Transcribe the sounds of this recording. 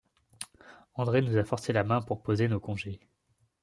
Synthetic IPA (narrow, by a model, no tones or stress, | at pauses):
ɑ̃d̪ʁenuzafɔʁselamɛ̃puʁpozenokɔ̃ʒe